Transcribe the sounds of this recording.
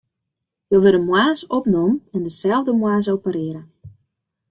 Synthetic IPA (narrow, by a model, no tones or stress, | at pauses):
joʋɪləmwaːsɔpnumɛndəsɛlˠvdəmwaːs̬owpəɾɪəɾə